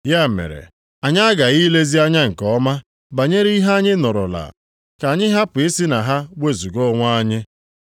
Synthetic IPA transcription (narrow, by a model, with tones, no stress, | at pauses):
ja˦˨mḛ˨ɾḛ˨ | a˨ɲa˦a˦ɡa˨i˦le˦zi˦a˦ɲa˦ŋ̩˨kɔ˦ma˦ | ba˨ɲe˦ɾi˦ɦa˦ɲɪ˦nɔ˨ɾɔ̰˨la̰˨ | ka˨ɲɪ˦ɦa˦pʊ˨e˦si˦na˨ɦa˦we˦˨zu˨ɡɔ˦ŋʷa˦a˦ɲɪ˦